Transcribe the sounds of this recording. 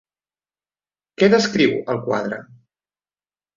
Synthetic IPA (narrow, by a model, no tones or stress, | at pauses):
kɛðəskɾiwəlˠkwa̰ðɾə̰